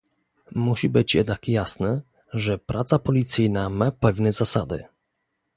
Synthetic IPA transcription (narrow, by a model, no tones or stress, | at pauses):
muɕibɘt͡ɕjɛ̰d̪nakjasnɛ | ʐɛpɾʔat̪sapɔlʲit̪sɘjnamapɛvnɛzasad̪ɘ̰